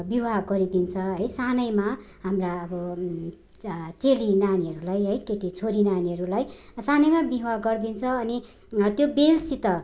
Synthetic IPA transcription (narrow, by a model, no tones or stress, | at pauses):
bibaɡʌɾid̪int͡sʰʌɦʌjsanʌjma | ɦamraʌbʌ | t͡selinaniɦʌɾulajɦʌjkeʈit͡sʰoɾinaniɦʌɾulajsanʌjmabiɦwaɡʌrd̪int͡sʰʌːni | t̪jobelsit̪ʌ